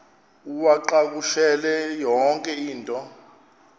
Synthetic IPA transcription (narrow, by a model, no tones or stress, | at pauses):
uwaǃak̬uʃɛlɛjɔŋkʼɛiːntʼɔ